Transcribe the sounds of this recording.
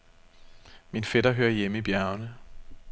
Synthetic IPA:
minfeɾ̥ɐɦøːɐjemib̥jæɐnə

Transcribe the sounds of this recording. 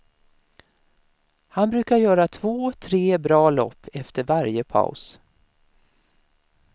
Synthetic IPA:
hanbɾʉ̟ːkaɾjœːɾat̪ʰv̥oːt̪ʰɾeːbɾɑːlɔ̰pːɛft̪əɾvaɾjəpʰa̰ʊs

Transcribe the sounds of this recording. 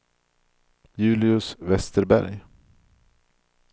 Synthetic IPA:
jʉ̟ːlɪɵsvɛst̪əɾbæ̰ɾj

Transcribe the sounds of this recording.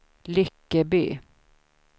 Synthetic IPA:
lʏkːəby̰ː

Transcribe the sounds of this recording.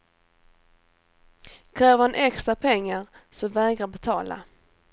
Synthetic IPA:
kʰɾɛːvhanʔɛkst̪ɾapʰɛŋːaɾsɔmvɛːɡɾabɛt̪ʰɑːla̰

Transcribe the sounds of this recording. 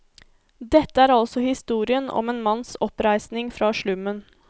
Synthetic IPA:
d̪ɛt̪ːəæːɾɑlsɔhɪst̪uːɾɪənɔ̰meːnmɑnsɔpɾæɪsnɪŋfɾɑːʃɭʉmːən

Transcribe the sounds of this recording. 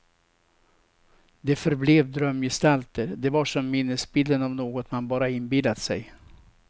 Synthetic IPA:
d̪ɛfœɾbleːvd̪ɾœmːjɛst̪alt̪əɾd̪ɛvaʂɔmːɪnːəsbɪld̪ənavnoːɡɔt̪manbɑːɾaɪnbɪlːat̪sɛ̰j

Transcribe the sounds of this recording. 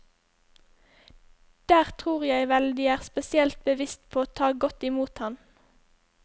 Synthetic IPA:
d̪̥æːʁt̪ʰʁuːʁjæɪʋɛld̪iːæːʁspɛsɪɛlt̪̚bəʋɪst̪pʰoːoːt̪ʰɑːɡɔt̪ɪmuːt̪hɑn

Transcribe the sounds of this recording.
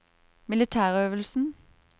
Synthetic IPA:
mɪlɪt̪ʰæːʁøːʋəlsn̩

